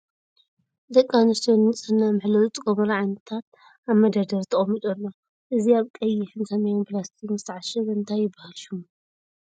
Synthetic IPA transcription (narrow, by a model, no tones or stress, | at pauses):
d̪ɐkʼːanɐst̪ʰonɨt͡sʼɨnːamɨħlɐwt͡sʼkʼomɐɾʕajnɐt̪ʰat̪̚ | aβmɐd̪ɐd̪ɐɾt̪ʰɐχʼɐmːit̪ʼolːo | ʔɨziaβkʼɐjːɪħɨnsɐmɐjomplast̪ʰikzɨ̥t̪ʰɐʕaʃɨβɨnt̪ʰajːɪbahɐʃum